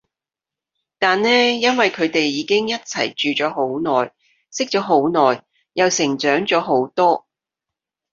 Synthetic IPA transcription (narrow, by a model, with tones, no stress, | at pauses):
t̪aː˨nːɛː˥jɐ˥nwɐ˨jkʰɵ˨˧ɥt̪e˨jːiː˨˧kɪ˥ŋjɐ˥t̚t͡sʰɐ̰˨˩jt͡ʃyː˨t͡ʃɔː˨˥ɦo˨˥wnɔː˨˩j | sɪ˥k̚t͡ʃɔː˨˥ɦo˨˥wnɔː˨˩j | jɐ˨wsɪ˨˩ŋt͡ʃœː˨˥ŋt͡ʃɔː˨˥ɦo˨˥wt̪ɔː˥